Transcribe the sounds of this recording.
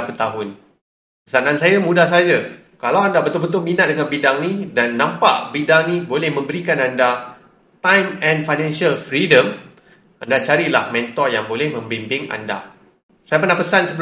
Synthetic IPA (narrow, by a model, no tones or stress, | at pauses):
pət̪aɦʊn | pəsanãnsajamũdahsad͡ʒa | kalawandabət̪ʊlbət̪ʊlminat̪̚dəŋanbidaŋnidanːãmpa̰ʔbidaŋnibolɛhmə̃mbəɾikananda | t̪ãjmɛ̃nfajnɛ̃nsalfɾidəm | andat͡ʃaɾilahmɛnt̪ɔrjaŋbolɛhmə̃mbimbɪŋa̰nda̰ | sajapərnahpəsansəbə